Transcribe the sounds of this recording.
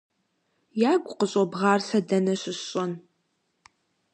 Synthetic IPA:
jaːɡʷʊqəɕʼɔbʁɑːrsɐdɐnɐɕɪɕʼɐn

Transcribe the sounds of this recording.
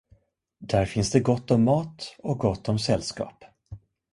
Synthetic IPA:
d̪æɾfɪnsd̪ɛɡɔt̪ːɔmːɑːt̪ɔk̚ɡɔt̪ʰːɔmsɛlːskɑ̰ːp

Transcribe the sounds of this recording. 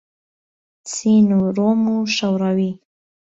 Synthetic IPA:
t͡sinuɾomuʃawɾawi

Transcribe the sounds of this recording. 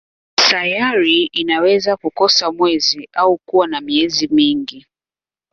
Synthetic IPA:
sajaɾiinawɛzakukɔsamwɛziʔaukuwanamiɛzimiŋɡi

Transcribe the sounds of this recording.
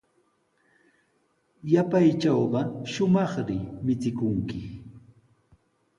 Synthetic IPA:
japajt͡ʃɑwɢɑʃʊmɑχɾɪmɪt͡sɪkʊŋkɪ

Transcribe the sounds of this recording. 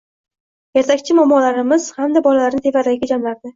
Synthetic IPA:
jeɾt̪ʰakʲt͡ʃʰɪmɒmɒlaɾɪmɪz̥hamd̪abɒlalaɾnɪt̪ʰe̞vad̪aɡʲɪd͡ʒamlaɾd̪ɪ

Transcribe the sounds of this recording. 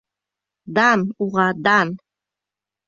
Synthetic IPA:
d̪anuʁɑd̪an

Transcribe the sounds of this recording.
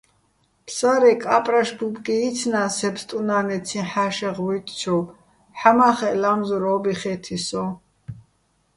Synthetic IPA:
pʰsaɾɛkʼapʼɾaʃbupʼkʼiːt̪t͡sʰnasɛpst̪ʼunanɛt͡sʰĩħaʃɛʁwit̪ʼt͡ʃʰɔw | ħamaχɛlamzɔɾɔːbiχɛt̪ʰisɔ

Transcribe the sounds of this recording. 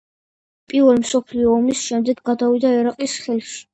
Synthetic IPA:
pʼivɛlmsɔpʰliɔːmisʃɛmd̪ɛɡɡad̪avid̪aɛɾaqʼisχɛlʃi̥

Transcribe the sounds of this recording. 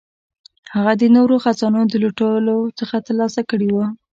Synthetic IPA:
haɣad̪ənoɾoxazɑnud̪əloʈolot͡səxat̪əɾlɑsakəɽiwə

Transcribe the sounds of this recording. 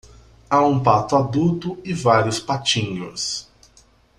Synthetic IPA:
aũpat̪ʊad̪ut̪ʊɪvaɾiʊspat͡ʃĩɲʊs

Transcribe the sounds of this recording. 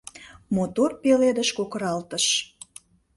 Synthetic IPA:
mot̪orpeled̪əʃkokəɾɑlt̪əʃ

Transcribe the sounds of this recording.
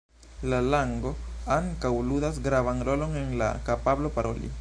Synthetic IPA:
lalaŋɡo̞aŋkawludasɡɾavanɾo̞lo̞nenla̰kapablo̞paɾʔo̞lḭ

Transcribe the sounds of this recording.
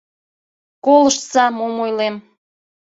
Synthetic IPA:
koləʃsɑmomojlem

